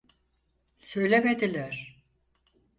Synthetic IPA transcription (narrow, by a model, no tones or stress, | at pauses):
sø̞jlʲemed̪ilʲæɾ̥